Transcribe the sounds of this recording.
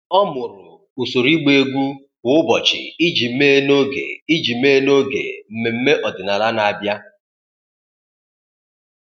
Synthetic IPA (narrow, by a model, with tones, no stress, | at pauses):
ɔ˦mʊ˨ɾʊ˨ | u˨so˨ɾi˦ɡ͡be˦ɡʷu˦ | bʊ˨˦ʊ˦bɔ˨t͡ʃɪ̰˨i˦d͡ʒi˨m̩˦me˦e˦no˦ɡḛ˨i˦d͡ʒi˨˦me˦e˦no˦ɡḛ˨m̩˨me˨m̩˦me˦ʔɔ˨dɪ˨na˨ɾa˦na˨a˨bja˦